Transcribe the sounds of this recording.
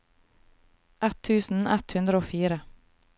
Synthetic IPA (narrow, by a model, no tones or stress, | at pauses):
ʔɛt̪ʰʉːsn̩ɛt̪hʉnd̪ɾəoːfiːɾə